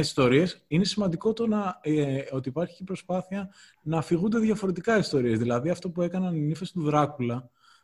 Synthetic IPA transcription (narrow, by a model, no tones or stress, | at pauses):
ist̪o̞ɾie̞sine̞simɐnd̪iko̞t̪o̞nɐ | o̞t̪iːpɐɾçi̥cepɾo̞spɐθiɐ | nɐːfiɣund̪e̞ðʝɐfo̞ɾe̞t̪ikɐist̪o̞ɾie̞zðilɐðiɐft̪o̞pue̞kɐnɐninife̞st̪uðɾɐkulɐ